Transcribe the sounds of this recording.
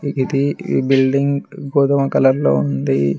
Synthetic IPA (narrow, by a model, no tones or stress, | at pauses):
id̪ibilɖiŋɡɡoːd̪ɐmɐkɐlɐɾlo̰ːund̪i